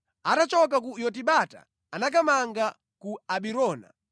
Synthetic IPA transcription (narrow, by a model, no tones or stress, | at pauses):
atat͡ʃɔk̬ak̬ujɔt̬iɓata̰ː | nak̬amaŋɡa | kuaɓiɾɔːna̰